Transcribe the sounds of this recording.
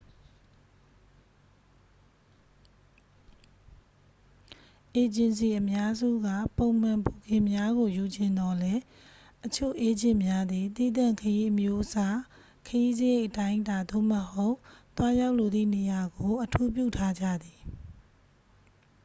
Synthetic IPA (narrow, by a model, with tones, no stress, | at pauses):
ʔe˨d͡ʑɪ̃˨ns̬i˨ʔəmja˦zṵ˦˨ɡä̰˦˨põ˨ʊ̃m̥ã˨mpo˨ɡɪ̃˨mja˦ɣo˨ju˨d͡ʑɪ̃˨nd̪ɔ˦lɛ˦ | ʔət͡ɕʰo̰˦˨ʔe˦d͡ʑɪ̰̃˦˨mja˦d̪ði˨t̪ḭ˦˨d̪ã˦˨ŋkʰəji˦ʔəmjo˦ʔəsa˦ | kʰəji˦zəje˦˨ɪʔətã˦ɪ̃nta˨d̪o̰˦˨məho˦ʊʔt̪wa˦ja˦ʊʔlo˨d̪ðḭ˦˨ne˨ja˨ɡo˨ʔətʰu˦p̬jṵ˦˨tʰa˦d͡ʑa̰˦˨d̪i˨